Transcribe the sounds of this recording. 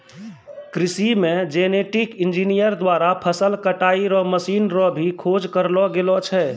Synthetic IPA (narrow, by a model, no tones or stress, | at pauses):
kɾisimẽd͡ʒeneʈikind͡ʒinijəɾd̪waɾapʰəsəlkəʈaiɾɔməsinɾɔbʱikʰod͡ʒkəɾlɔɡelɔt͡ʃʰɛ